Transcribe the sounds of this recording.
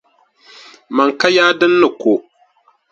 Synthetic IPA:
ma˨ŋka˦jaː˦dɨ˦nːɨ˨ko˨

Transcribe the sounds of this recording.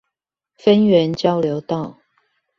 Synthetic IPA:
fə˦nɥɛ˨˦nt͡ɕjɑ˦˥ʊljo˨˦ʊt̪ɑ˥˨ʊ

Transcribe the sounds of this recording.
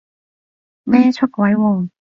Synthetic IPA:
mɛː˥t͡ʃʰɵ˥t̚kʷwɐ˨˥jwʊ˨˩ŋ

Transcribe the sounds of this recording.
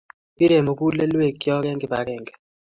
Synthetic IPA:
i˦ɾe˨mo˨ku˦lɛ˦lwe˦˨kjɔ˦kɛ˦ŋɡɛ˨ba˨˦kɛ˦˨ŋɡɛ̥˨

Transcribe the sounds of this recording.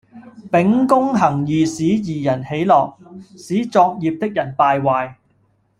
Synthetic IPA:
pɪ˨˥ŋkʊ˥ŋɦɐ˨˩ŋjiː˨siː˨˥jiː˨˩jɐ˨˩nhe˨˥jlɔː˨k̚siː˨˥t͡sɔː˧k̚jiː˨˧p̚t̪ɪ˥k̚jɐ˨˩npaː˧jwaː˨˧j

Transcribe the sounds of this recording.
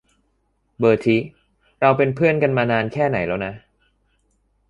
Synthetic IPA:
bɤː˨˩t̪ʰi˦˥ | ɾa˧wpe˧npʰɯ˥˩ənka˧nmaː˧naː˧nkʰɛː˥˩na̰˩˦jlɛ˦˥wna˦˥ʔ

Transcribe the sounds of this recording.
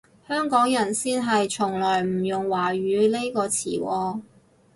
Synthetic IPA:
hœː˥ŋkɔː˨˥ŋjɐ˨˩nsiː˥nɦɐ˨jt͡ʃʰʊ˨˩ŋlɔː˨˩jm̩˨˩jʊ˨ŋwaː˨˩ɥyː˨˧le˥jkɔː˧t͡sʰḭː˨˩wɔː˨˧

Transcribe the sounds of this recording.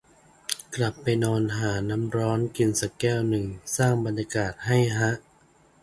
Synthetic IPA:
kla˨˩pːa˧jnɔː˧nɦaː˩˦na˦˥mɾɔː˦˥nki˧nsa˧˩kɛː˥˩wnɯ˨˩ŋsaː˥˩ŋba˧njaː˧kaː˨˩t̪̚ha˥˩jɦa˦˥ʔ

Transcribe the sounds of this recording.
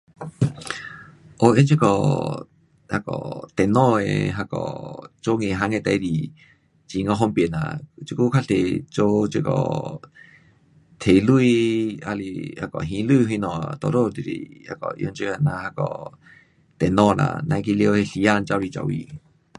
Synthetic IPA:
ʔo˧ʔe˧˦nt͡ʃi˦kɔ˨ | ha˧kɔ̰˨t̪ɛ˨nɔ̃˧ḛ˨ɦa˧kɔ̰˨t͡ʃo˦ŋe˨ɦa˧˦ŋẽ˧˨t̪a˨jdi˨ | t͡ɕi˨ŋɔ̃˧ɦɔ˧˦mpe˨nã̰˨t͡ʃi˧ku˦kʰa˦˥ɬe˨t͡ʃo˦t͡ʃe˧˨kɔ̰˨ | t̪ʰe˨lu˧i˧a˧lḭ˧ha˧kɔ˨ɦĩ˧˦lɨ˥˧˨ɦi˧nɔ̃˨t̪ɔ˨ɾo˦˧d̪i˨ɾḭ˨ha̰˧kɔ̰˨ʔjo̰˧˦nt͡ʃə˧a˧˨nã˧ha˧kɔ̰˨ | t̪ɛ˨nɔ̃˥˧˨nã̰˨nã˧˦˧ki˧li˧o˧he˧ɬi˧˨a˥˧˨nt͡ʃa˧wɾi˧˨t͡ʃa̰˧wḭ˧˨

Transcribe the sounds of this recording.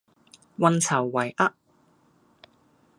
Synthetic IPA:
wɐ˧nt͡sʰɐ˨˩wːɐ˨˩jʔɐ˥ʔ̚

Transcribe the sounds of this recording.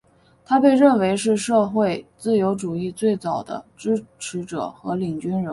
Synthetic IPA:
t̪ʰa˥pe˥˧ɪɻə˥˩nwe˧˥ɪʂɻ̩˥˧ʂɤ˥˧xwe˥˧ɪt͡sɹ̩˥˩jo˧˥ʊʈ͡ʂu˨˩i˥˧t͡swe˥˩ɪt͡sɑ˨˩ʊd̪ə̰˦ʈ͡ʂɻ̩˥ʈ͡ʂʰɻ̩˧˥ʈ͡ʂɤ̰˨˩xɤ˧˥li˨˩ŋt͡ɕy˥nɻə˧˥

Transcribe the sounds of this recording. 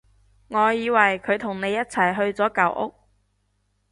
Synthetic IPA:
ŋɔː˨˧jiː˨˧wɐ˨˩jkʰɵ˨˧ɥt̪ʰʊ˨˩ŋne˨˧jɐ˥t̚t͡sʰɐ˨˩jɦɵ˧ɥt͡sɔː˨˥kɐ˨˥wʔʊ̰˥k̚

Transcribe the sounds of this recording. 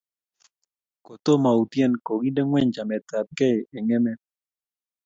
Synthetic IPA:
ko˨t̪o˦ma˨u˨t̪jɛ˦˨nko˨ɡi˦de˦ŋwɛ˦ɲd͡ʒa˨mɛ˨t̪a˨t̪̚kɛ˦˨ʔe˨ŋɛ˦mɛ˦

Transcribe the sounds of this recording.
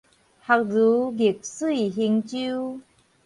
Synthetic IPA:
ha˨˧k̚zu˨˦ɡi˨˩k̚sɨ˥˧˨ɦi˧ŋt͡ɕu˦

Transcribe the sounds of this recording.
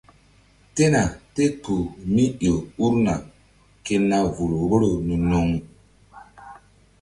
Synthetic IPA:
te˦na˨te˦tu˨mi˦jo˨u˦ɾna˨ | ke˦nːa˦vu˨lo˨ɡo˦ɾo˨nu˨no˨ŋ˨

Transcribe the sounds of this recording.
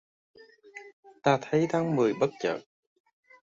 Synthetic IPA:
t̪aː˧t̪ʰə˨˦jt̪ʰaː˨˦ŋmɨ˨˩əjɓə˦˥t̚t͡ɕə̰ː˧˨t̚

